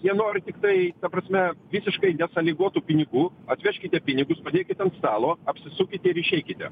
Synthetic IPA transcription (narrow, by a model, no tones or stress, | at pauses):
jiɛnoːɾʲɪt̪ʲɪkt̪ɐɪt̪ɐpɾɐsʲmʲɛʋʲɪsʲɪʃkɐɪnʲɛsɐlʲɪɡuɔt̪uːpʲɪnʲɪɡuːɐt̪ʲʋʲɛʃʲkʲɪt̪ʲɛpʲɪnʲɪɡʊspɐd̪ʲeːkʲɪt̪ʲɐnt̪st̪ɑːlˠoːɐpʲsʲɪsukʲɪt̪ʲɪɪɾɪʃʲɛɪkʲɪt̪ʲɪ̰